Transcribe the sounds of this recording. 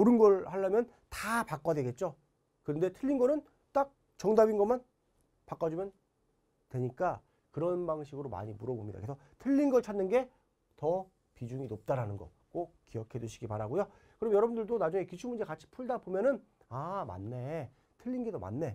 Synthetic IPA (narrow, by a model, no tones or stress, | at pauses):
oɾɯnɡʌɭhaɭːamjʌn | tapak͈adwe̞ɡe̞t̚t͡ɕ͈o | kɯnde̞tʰɯʎːinɡʌnɯn | t͈ak̚ | t͡ɕʌŋdabinɡʌman | pak͈ad͡ʑumjʌn | twe̞ɲik͈a | kɯɾʌnbaŋɕ̬ʰiɡɯɾoma̰ɲimuɾʌbomɲid̪a̰kesʰʌ | tʰɯʎːinɡʌɭt͡ɕʰadnːɯnɡe̞ | tʌ | pid͡ʑuŋinop̚t͈aɾanɯnɡʌ | k͈ok̚k͈ijʌkʰe̞dweɕʰiɡipaɾaɡojo | kɯɾʌmjʌɾʌbundɯɭdonad͡ʑuŋe̞kit͡ɕʰumund͡ʑe̞kat͡ɕʰi̥pʰuɭdabomjʌnɯn | ama̰nːe̞ | tʰɯʎːinɡe̞doma̰nːe̞